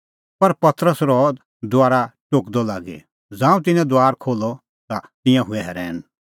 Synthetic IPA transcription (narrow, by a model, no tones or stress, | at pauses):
pɐɾpɐt̪ɾəsɾɔ | d̪ʊaːɾaʈoːkd̪ɔlaːɡɛ̰ | d͡zãːũt̪̬ɪnɛ̃d̪aːɾkʰoːlɔ | t̪at̪ɪ̃jãɦʊɛɦɛɾɛːn